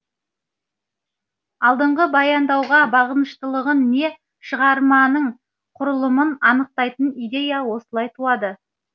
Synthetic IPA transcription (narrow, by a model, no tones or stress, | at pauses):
ɑlˠd̪əɴʁəbɑjɑnd̪ɑwʁɑbɑʁənəʃt̪əlˠəʁənːe̞ | ʃəʁɑɾmɑnəɴ | qʰʊɾəlˠəmənɑnəq̚t̪ɑjt̪ənijd̪e̞jawo̞səlˠɑjt̪ʰuɑd̪ə